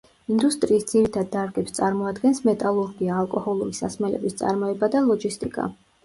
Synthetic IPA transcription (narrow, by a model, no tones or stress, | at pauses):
ind̪ust̪ʼɾiːsd̪z̥iɾit̪ʰad̪̚ːaɾɡɛpst̪sʼaɾmɔad̪ɡɛnsmɛt̪ʼalˠuɾɡiaːlˠkʼɔhɔlˠuɾisasmɛlɛ̰bist̪sʼa̰ɾmɔɛbad̪alˠɔd͡ʒist̪ʼikʼa̰